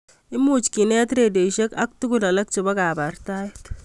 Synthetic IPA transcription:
ɪ˦mut͡ʃki˨nɛ˦t̪ɾe˨de˨ʃe˦kɐ˦k̚tu˦kulɐ˨lɐ˦k̚t͡ʃebɐ˦ka˨bart̪a˦jt̪

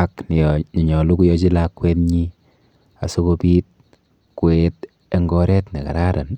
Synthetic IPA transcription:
a˦kn˨ni˨ɲɔ˨lu˦ku˦jɔ˦t͡ʃi˦la˦kːwe˦tɲi˦ | a̰˨so˦ko˧piː˦t̚ | kwe˦t | e˦ŋɡɔ˦ɾɛ˦tne˨ka̰˨ɾa˦ɾa̰˨n

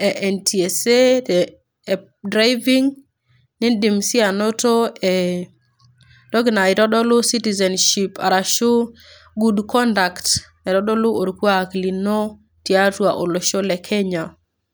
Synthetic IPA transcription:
ɛ˨ʔɛ˨ntʰi˨ɛ˨se˦˨ | dɾa˦jvi˦ŋ | nɪ˦di˨msi˦a˨no˦to˦ɛ | d̥ɔ˦ɡna˨ɪ˨ɾɔ˦dɔ˦lʊ˦si˦ti˨zɛ˨nʃi˨pa̰˨ɾa˨ʃo˦ | ɡu˦dkɔ˦nda˨kt | ɛ˨ɾɔ˦dɔ˦lʊ˦o˨ɾkwakli˨no˦ | tja˦twa˨ʔo˨lo˨ʃo˦lɛ˨kʰɛ˦ɲa˨

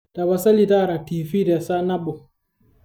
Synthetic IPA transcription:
ta˨ba˨sa˦li˨ta˦˨ɾa˨ti˨fi˦dɛ˨sa˦na˦ɓo˨

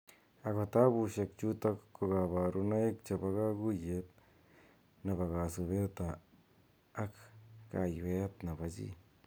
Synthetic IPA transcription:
a˨ka˧t̪a˦bu˧ʃe˧kt͡ʃu˦t̪a˦ko˧ɡa˧βa˨ɾʔu˧˦na˦e˦k̚t͡ʃa˧ba˧ɡa˦ɡu˦je˧t̪̚ | na˨ba˨ɣa˨su˧βe˦t̪aː˨˦ | kka˧jbe˦t̪na˨ba˧d͡ʒḭ˦

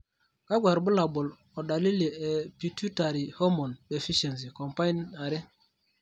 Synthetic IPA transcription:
ka˦ɡwa˨ɾbu˦la˨bʊ˨l | ɔ˨ɗa˨li˦le˨ɛ˨pi˨tu˦ta˨ɾi˨ho˦mɔ˨nɓe˨fi˦ʃe˨ns̬i˨ko˨mpa˦i˦na˨ɾɪ˦

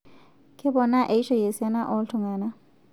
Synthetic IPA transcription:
kʼɪ˦bɔ˨na˦ʔe˨i˦ʃɔ˦je˨sɛ˦na˦ʔɔ˦ltʰʊ˨ŋaː˨na˦

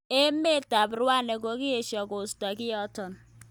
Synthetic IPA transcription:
e˦me˦˨ta˨bɾu˦a˦˨ne˨ɡo˨˦ɡi˦e˨ʃɔ˨ɡo˨stɔ˨ɡi˦ɔ˦tɔ˨n˨

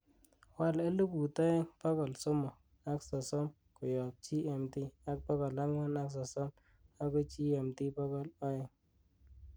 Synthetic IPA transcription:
wa˦˨le˦lu˦ku˨tɔ˦ɛ˦ŋpɔ˦kɔ˨lsɔ˦mɔ˨ | a˦ksɔ˨sɔ˦m | kʊ˨jɔ˨p̚t͡ʃi˦ɛ˨mti˦a˦k̚pɔ˦kɔ˨la˦ŋwa˦na˦ksɔ˨sɔ˦m | a˦kɔ˦t͡ʃi˦ɛ˨mti˦pɔ˦kɔ˦lɔ˦ɛ˨ŋ

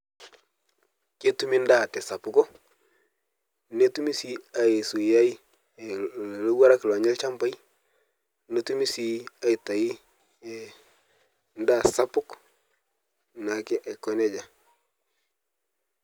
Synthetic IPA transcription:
ke˦tu˦mi˦nda˦˨te˨sa˨pʊ˨ko˦ | ne˦tu˦mi˦si˦a˨i˨su˨ja˦i˦˨ | lo˦wa˦ɾa˦kla˨ɲe˦lt͡ʃa˦mba˦j | ne˦tu˦mi˦si˦a˦i˨ta˨i˦ | nda˦sa˦pʊ˦k | na˨ke˦ʔe˨kːo˦ne˦ɟa˨

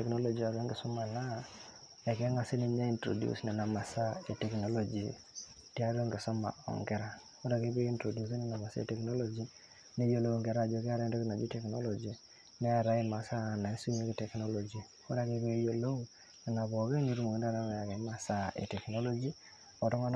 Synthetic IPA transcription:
tɛ˨kno˦lo˨d͡ʒi˨a˨ɾo˦ŋɡɪ˨sɔ˦ma˨na˦ | ɛ˨kɛ˦ŋa˨si˦ni˨ɲa˦i˦ntɾo̰˨djṵ˦snɛ˨na˨ma˨sa˦e˨tɛ˨kno˦lo˦d͡ʒi˨ | ti˦a˦ɾo˦ŋɡɪ˨sɔ˦ma̰˨ɔ̰˨ŋɡɛ˦ɾa˦ | o˦ɾa˨ke˦be˦i˦ntɾo˨du˦s̬i˦ni˦na˨ma˨sa̰˦ḛ˦tɛ˨kno˦lɔ˦d͡ʒi˦ | ne˦jo˨lo˦˨ŋɡɛ˨ɾa˦˨d͡ʒo˨˦ke˦a˦ɾa˦do˦kɪ˦na˨d͡ʒi˦tɛ˨kno̰˦lɔ˨d͡ʒi˨ | nɛ˦a˨ɾa˨˦i˦ma˨sa˦˨na˨e˦su˦ɲe˦ki˦tɛ˨kno˦lo˨d͡ʒi˨ | o˦ɾa˨ke˦ke˦jo˨lo˦ | kɪ˨na˨bɔ˨ke˦ɲi˦ɾu˦mo˨ŋ˨nda˦ɾa˦ma˨ja˨kɛ˨˦ma˨sa˦ʔḛ˨tɛ˨kno˦lɔ˦d͡ʒi˦ | ɔ˨tɔ˦ŋa˦n

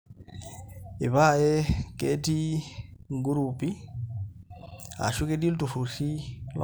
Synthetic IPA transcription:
i˨βa˦˨jɛ˦kʼe˦ti˦ŋɡu˦ɾupi˦ | a̰˨ʃu˦ke˦di˦ltu˨fu˨si˦l

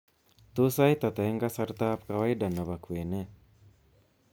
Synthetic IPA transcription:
t̪u˦sa˦jt̪a˨t̪e˨˦ŋɡa˦sa˦ɾt̪a˦pka˨wa˦jda˨nːa˨ba˨kwe˨ne˦

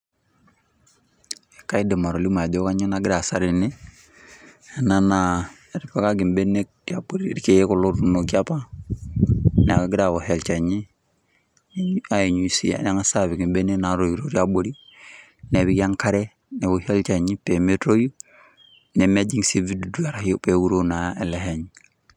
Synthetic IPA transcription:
e˨ka˦i˦de˨ma˨ɾo˨li˦ma˨do˦ka˦ɲi˦na˨ɡi˦ɾa˨sa˦ɾi˨ne˦˨ | na˦na˨ | ɾi˨pa˦ka˦ɡi˨mbe˦ne˦k̚ja˨bo˨ɾi˦ɾi˦ke˨je˦ko˨lo˦ɾu˦no˨ki˦a˦pa˦ | n˨a˨ka˨ɡi˦ɾa˨βo˨he˨lt͡ʃa˨ɲi˦ | n˨a˦e˨ɲu˨i˨sḭ˦ja̰˨n˦ŋa˦sa˦˨βi˨ɡi˨mbe˦ne˦na˨ɾo˨ju˨ɾo˦ɾja˦bo˨ɾi˦ | ne˨βi˦ka˦ŋka˦ɾe˦ | ne˨wo˨he˦lt͡ʃa˨ɲi˦pe˨me˦tɾo˦ju˦ | ne˨me˦d͡ʒi˦ŋse˦vi˦du˨du˦a˨ɾa˨hi˦o˦pe˨wu˦ɾo˦na˨e˨le˦ɦe˨ɲ

